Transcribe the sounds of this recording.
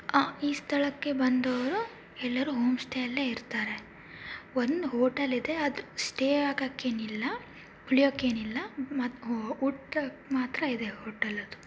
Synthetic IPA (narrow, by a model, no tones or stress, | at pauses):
aːiːst̪ʰɐɭɐkːe̞bɐnd̪ɐʋɐɾu | ɛlːɐɾuɦoːmsʈʰejɐlːeiɾt̪aːɾe̞ | ond̪ɦoːʈɐlid̪e̞ɐd̪ɾusʈeːaːɡɐkːe̞ːnilːɐ | uɭijokːeːnilːɐmauʈmaːt̪ɾɐid̪e̞ɦoːʈɐlɐd̪u